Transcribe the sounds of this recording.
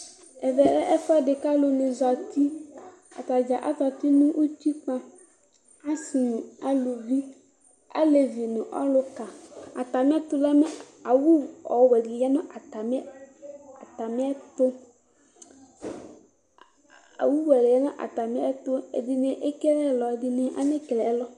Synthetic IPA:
e˨vɛ˨le˦ʔe˦fɔ˦ɖe˨ka˦lo˨nẽ˨zɔ˨t̪i˦ | a̰˨t̪a˨d͡ʒa˨ʔa˦t̪ɔ˨t̪i˦nũ˦ʔu˦t̪i˦k͡pa˦ | a˦si˨nũ˨a˦lo˨vi˦ | a̰˦le˨vi˨nũ˨ʔɔ̰˦lo˦ka˨a˨t̪a˨m̃˦a˦t̪o˦la˦mẽ˦ | a˨wu˦ɔ˨wɛ˨di˨la˦nõ˦ʔa˨t̪a˨me˦ | a˨t̪a˨mẽ˦a˦t̪o˦ | a̰˨wu˦wɛ˨le˨e˦nã˦ʔa̰˨t̪a˨mi˦a˦t̪o˦ḛ˨di˨ne˨ʔe˦ke˦lɛ˦lɔ˨˦di˦nẽ˦ʔa̰˦ne˦ke˨lɛ˨ɛ˦lɔ˦

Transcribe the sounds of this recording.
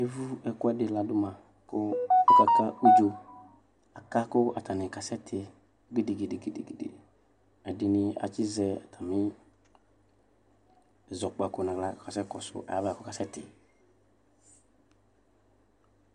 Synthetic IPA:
e˦vu˦ɛ˨kʊ˦ɛ˦dɪ˨la˨dʊ˦mã˨ | kʊ˦i˦ka˨ka˦o˦d͡ʒo˧ | a˨ka˦kʊ˦a˨ta˨nɪ˨ka˨sɛ˦tʰɪ˨˦ | ɡi˦de˨ɡe˨de˨ɡi˨de˨ɡi˨dɪ̰˨ | ɛ˨dɪ˨nɪ˨˧a̰˨t͡ʃɪ˦zɛ˨˦a˨tʰa˨mɪ˦˨ | zɔ˨k͡pa˨kʊ˨nã˨ɡla˦˨ka˨sɛ˦kɔ˨sʊ̰˨ʔa̰˨ja˦vkʊ˦ka˨sɛ˦tɪ˨

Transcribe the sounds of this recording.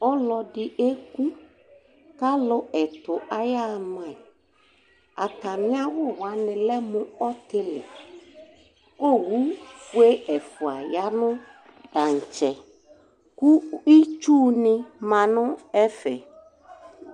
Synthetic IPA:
ɔ˦lɔ˨ɖɪ˨ʔe˦ku˦ | ka˦lʊ˦ʔɛ˨t̪ʊ˨ʔa˨ja˦mã˨ | a̰˨ta˨mɪ̃˦a˦wʊ˦wa˨˦nɪ̃˨lɛ˦mʊ̃˨ɔ˦t̪ɪ˦lɪ̰˨ | o˦wu˦fu˦e˦ʔɛ˨fʊ˨a˨ja˦nʊ̃˦ | da˨ŋ̩˨t͡ʃɛ˨ | ku˦i˦t͡ʃu˦nɪ̃˦mã˨nʊ̃˦ɛ˦fɛ˨

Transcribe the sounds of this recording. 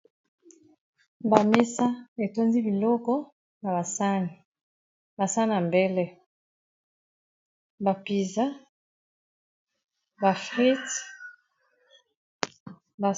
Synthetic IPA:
ba˨me˦sa˦e˨to˦nzi˦bi˨lɔ˦kɔ˦ | na˨βa˨sa˦ni˨ | ba˨sa˦na˨mbe˦lɛ˦ | ba˨pi˨za˦ | ba˨fʁi˦t | ba˨

